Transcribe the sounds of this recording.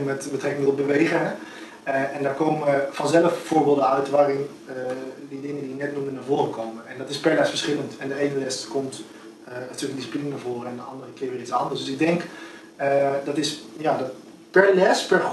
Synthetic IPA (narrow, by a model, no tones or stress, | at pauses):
mɛtbətrɛkɪŋɔbəʋejɣəɛ | ɛndaːɹkoːməfɑnzɛləffoːɹbɪːlˠdəœɥtʋaːrɪn | ədidɪŋəndiənɛtnumdənaɹvoːrəkʰowməɛndɔtɪspɛɹlɛsfəɹsχɪləntɛndəeːnəlɛskomt | ətøəkəndisi̥plinənaɹvoːrəɛndəɑndərəkɪːɹʋɪːrit͡sɑndəɹsd̥ɵsɪɡ̚dɛŋk | ədɑtɪsjadɔt | pɛɹlɛspɛr